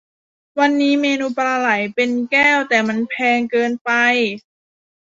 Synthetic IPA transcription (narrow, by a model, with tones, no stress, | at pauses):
wa˧nːiː˦˥meː˧nuː˧pɾaː˧la˨˩˦jpe˧nkɛː˥˩wt̪ɛː˨˩ma˧˥npʰɛː˧ŋkɤː˧npa˧j